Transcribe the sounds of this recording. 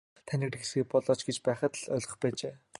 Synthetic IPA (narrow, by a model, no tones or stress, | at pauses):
t̪ʰænʲɪ̆krxesɡɘ̆pɔɮɔːt͡ɕɡet͡ɕpæːχə̆t̪ɮœːɮʲʁɞ̥̆χpæːt͡ɕeː